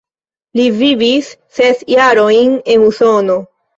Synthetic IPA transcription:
livivisːe̞sjaɾo̞jne̞nuso̞no̞

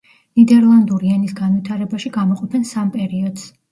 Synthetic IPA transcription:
nid̪ɛɾlˠand̪uɾiɛnisɡanwit̪ʰaɾɛbaʃiɡamɔqʼɔpʰɛnsampʼɛɾiɔd̪s

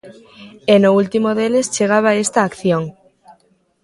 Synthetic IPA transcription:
enoult̪imoðelest͡ʃeɣ̞aβ̞aest̪aːkθjoŋ

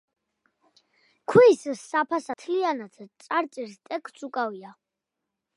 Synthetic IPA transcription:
kʰwiːssːapʰasat̪ʰlianat̪ʰt̪sʼaɾt̪sʼiɾst̪ʼɛkʰt̪sʰʼukʼavia

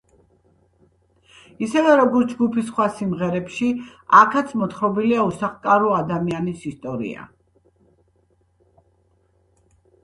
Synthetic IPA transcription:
isɛvɛɾɔɡɔɾt̪ʰd͡ʒɡupʰisχwasimʁɛɾɛpʃiakʰat̪sʰmɔt̪ʰχɾɔbiliausaχkʼaɾɔad̪amianisist̪ʼɔɾḭa̰

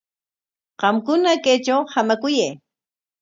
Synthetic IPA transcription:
ɢɑmkʊnakajt͡ʃawhamakʊjaj

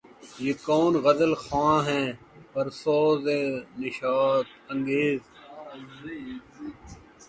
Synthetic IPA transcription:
jeːkɔːnɣɐzəlxãːɦɛ̃ː | pɐɾsɔːzenɪʃaːt̪ə̃ŋɡeːz

